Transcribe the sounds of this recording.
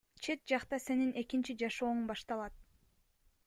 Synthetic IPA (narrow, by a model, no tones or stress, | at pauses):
t͡ʃʰe̞t̪̚d͡ʒɑqt̪ɑse̞nine̞kint͡ʃid͡ʒɑʃo̞ːumbɑʃt̪ɑlˠɑt̪̚